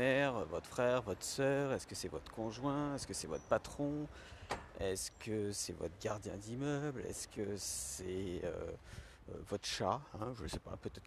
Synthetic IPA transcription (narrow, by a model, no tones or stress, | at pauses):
ɛʁvɔt̪χfχɛʁvɔt̪χə̥sœʁɛskəsɛvɔt̪χə̥kɔ̃ʒwɛ̃ɛskəsɛvɔt̪χpat̪χɔ̃ | ɛskəsɛvɔ̰t̪χəɡaʁd̪jɛ̃d̪imœblɛ̰skʰəsɛø̰ | øvɔt̪χʃaɛ̃ʒələsɛpa̰pøt̪ɛt̪